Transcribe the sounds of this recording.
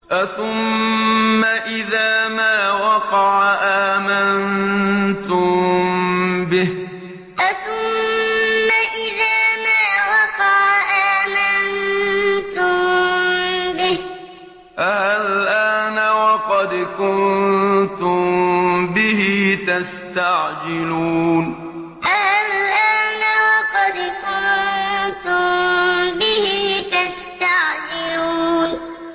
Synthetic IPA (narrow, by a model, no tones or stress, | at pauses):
ʔaθʊmː | aʔɪðaːmaːwɑqɑʕaʔaːmant̪ʊmm | bɪh | ʔaθʊmmːaʔɪðaːmaːwɑqɑʕʔaːman | t̪ʊmm | bɪh | ʔahalʔaːnawɑqɑd̪kʊnt̪ʊmbɪhɪt̪ast̪aʕd͡ʒɪluːn | ʔahalʔaːnawɑqɑd̪kʊnt̪ʊmbɪhɪt̪ast̪aʕd͡ʒɪluːn